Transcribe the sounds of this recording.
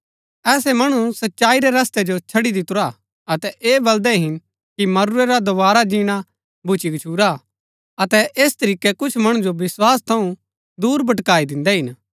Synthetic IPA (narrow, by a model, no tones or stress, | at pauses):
ɛːsɛmɐɽ̃usɐtːʃaːiɾɛɾɐst̪ɛd͡ʒot͡ʃʰɐɽid̪ɪt̪ʊɾa | ɐt̪ɛʔeːbɐld̪ɛɦɪn | kimɐɾuɾɛɾad̪oʋaːɾad͡ʒiːɽ̃a | bʱʊt͡ʃiɡt͡ʃʰuːɾa | ɐt̪ɛʔeːst̪ɐɾiːkɛkʊt͡ʃʰmɐɽ̃ũd͡ʒoʋɪswaːst̪ʰɐũ | d̪uːɾbɐʈkaːid̪ɪ̃nd̪ɛɦɪn